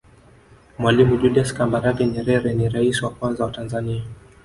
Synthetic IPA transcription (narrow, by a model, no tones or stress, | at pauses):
mwalimud͡ʒuliaskambaɾaɡɛɲɛɾɛɾɛniɾaisiwakwanzawatanzania